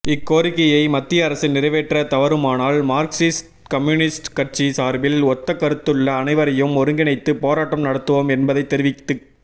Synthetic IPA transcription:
ɪkːoːɾɪkːɐjɐɪmɐt̪ːɪjɐːɾɐsɪnnɪɾɐʋeːʈrɐt̪ɐʋɐɾɯmaːnaːlmaːɾksɪsʈ | kɐmjuːnɪsʈkɐrt͡ʃisaːɾbɪlɔt̪ːɐkːɐɾɯt̪ːɯɭːɐːnɐɪʋɐɾɐjɯmɔɾɯŋɡɪnɐɪt̪ːɯpoːɾaːʈːɐmnɐɽɐt̪ːɯʋomɛnbɐðɐɪt̪ːɛɾɪʋɪt̪ːɯ

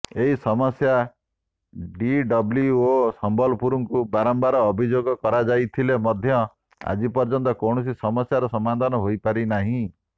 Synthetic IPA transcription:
eɦisɔmɔsja | ɖiɖɔbljuosɔmbɔlɔpuɾuŋkubaɾɔmbaɾɔːbʱid͡ʒoɡɔkɔɾad͡ʒajt̪ʰilemɔd̪ʱjɔ | a̰d͡ʒipɔɾd͡ʒɔnt̪ɔkɔwɳ̃ɔs̬isɔmɔsjaɾɔsɔmad̪ʱanɔɦojpaɾinaɦĩ

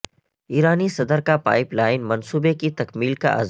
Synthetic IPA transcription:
iːɾaːnisɐd̪əɾkapa̰ːɪplaːɪnmɐnsuːbekit̪ɐkmiːlka̰ʔɐ̰z

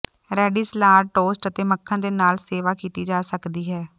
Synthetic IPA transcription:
ɾɛːɖiːslaːɾʈoːsʈət̪eːməkʰːãːd̪eːnaːlseːʋaːkiːt̪iːd͡ʒaːsəkd̪iːɦɛː

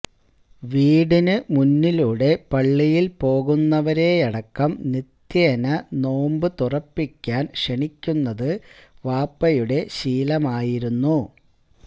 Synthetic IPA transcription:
ʋiːɽinɨmunːiluɽe̞pɐɭːijilpo̞ːɣunːɐʋɐɾe̞ːɐɽɐkːɐmnit̪jɐnɐno̞ːmbɨt̪urɐpːikʲːaːnʂeɳikʲːunːɐðɨʋaːpːɐjuɽe̞ɕiːlɐmaːjiɾunːu

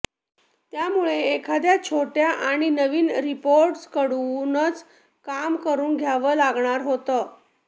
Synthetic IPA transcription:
t̪jamuɭeːkʰad̪jat͡ɕʰoʈjaʔaɽ̃inəʋiːnɾipoɾʈskəɽnət͡s | kamkəɾuːnɡʱjaʋəːlaɡɳaɾɦot̪əː

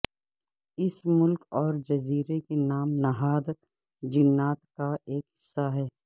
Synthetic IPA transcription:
ɪsmʊlkɔːɾd͡ʒɐziːɾekenaːmnɐɦaːd̪ | d͡ʒɪnːaːt̪kaʔeːkɦɪsːaɦɛː

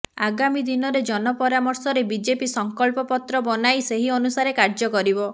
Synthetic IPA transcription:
a̰ɡamid̪inɔɾed͡ʒɔnɔpɔɾamɔɾsɔɾebid͡ʒepisɔŋkɔlpɔpɔt̪ɾɔbɔnajseɦiɔnusaɾekaɾd͡ʒɔkɔɾibɔ

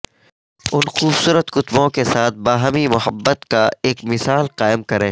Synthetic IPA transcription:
ʊnxuːbsuːɾət̪xʊt̪bõkesaːt̪̚ʰbaːɦəmimʊɦəbːət̪kaeːkmɪsaːlqaːɪmkɐɾẽː

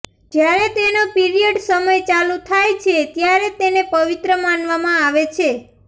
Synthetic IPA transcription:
d͡ʒjaɾet̪enopiɾijəɖsəməjt͡ʃalut̪ʰajt͡ʃʰet̪jaɾet̪enepəʋit̪ɾəmanʋamãaʋet͡ʃʰe

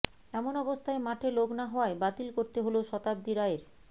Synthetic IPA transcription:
ɛmonɔbost̪ʰaemaʈʰeloɡnaɦɔaebat̪ilkoɾt̪eɦoloʃɔt̪ab̚d̪iɾaeɾ

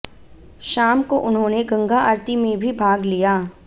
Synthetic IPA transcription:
ʃaːmkoʔʊnɦõːneɡɐ̃ŋɡaʔɐɾt̪imẽbʱibʱaːɡlijaː

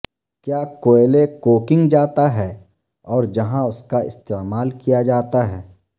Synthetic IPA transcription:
kjaːkoːelekoːkɪ̃ŋɡd͡ʒaːt̪aɦɛː | ɔːɾd͡ʒɐɦãʊskaɪ̰st̪eːmaːlkijad͡ʒaːt̪aɦɛː

